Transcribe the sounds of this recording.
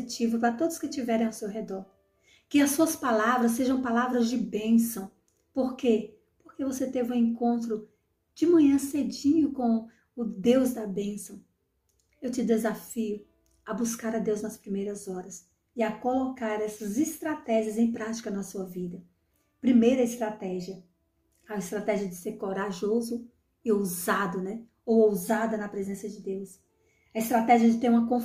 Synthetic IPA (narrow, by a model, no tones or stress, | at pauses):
t͡ʃivʊpɾɐt̪od̪ʊskɪt͡ʃivɛɾẽj̃awsewɦed̪ɔɾ | kɪɐsːuɐspalavɾɐs̬ːeʒɐ̃w̃palavɾɐzd͡ʒɪbẽsɐ̃w̃ | poɾke | poɾkevoset̪evɪũẽŋkõnt̪ɾʊ | d͡ʒɪmɐ̃ɲɐ̃sed͡ʒĩɲʊkõw̃ | ʊd̪ewzd̪ɐbẽsɐ̃w̃ | ewt͡ʃɪd̪ezafiʊ | ɐbuskaɾɐd̪ewznɐspɾimejɾɐzɔɾɐs | ɪɐkolokaɾɛsɐzɪst̪ɾat̪ɛʒiɐzẽj̃pɾat͡ʃi̥kɐnɐsuɐvid̪ɐ | pɾimejɾɐɪst̪ɾat̪ɛʒiɐ | ɐɪst̪ɾat̪ɛʒiɐd͡ʒɪseɾkoɾaʒozʊ | ɪowzad̪ʊnɛ | owowzad̪ɐnɐpɾezẽsɐd͡ʒɪd̪ews | ɐɪst̪ɾat̪ɛʒiɐd͡ʒɪt̪eɾũmɐkõ